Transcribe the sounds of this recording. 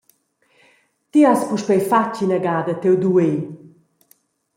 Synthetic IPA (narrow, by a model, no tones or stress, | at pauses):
t̪iaspuʃpɛjfat͡ʃinaɡaːd̪ɐt̪ewd̪ue